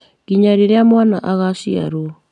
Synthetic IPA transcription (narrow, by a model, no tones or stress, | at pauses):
ɣiɲaɾeɾeamwana̰ʔaɣaʃia̰ɾo